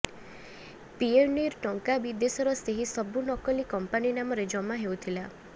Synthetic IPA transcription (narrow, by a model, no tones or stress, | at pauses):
pieniɾʈɔŋkabid̪esɔɾɔseɦisɔbunɔkɔlikɔmpaninamɔɾed͡ʒɔmaɦeut̪ʰila